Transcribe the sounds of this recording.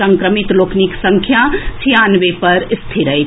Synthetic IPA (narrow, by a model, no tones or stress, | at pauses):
ə̃ŋkɾəmit̪loːkʰniksə̃ŋkʰjat͡ʃʰijanʋepɐɾst̪ʰiɾə